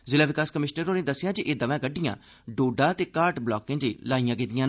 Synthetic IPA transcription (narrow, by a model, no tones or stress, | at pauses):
zɪlaːʋɪkaːskəmɪʃnəɾoːnẽːd̪əsːɪjãːd͡ʒiʔeːd̪əʋɛ̃ːɡəɖɪjã̰ː | ɖoːɖaːt̪eːkaːɾʈblɔːkːɪ̃ːd͡ʒiːlaːijãːɡɪd̪ɪjãː